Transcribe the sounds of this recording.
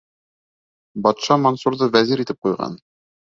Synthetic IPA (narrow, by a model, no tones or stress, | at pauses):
bɑt̪ʃɑmonsuɾðɤvæziɾit̪ɘp̚qujʁɑ̰n